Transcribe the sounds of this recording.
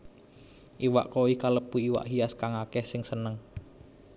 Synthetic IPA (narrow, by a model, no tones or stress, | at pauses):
ʔiwa̰ʔkoihkaləpuiwa̰ʔɦiaskaŋakɛhsɪŋsənəŋ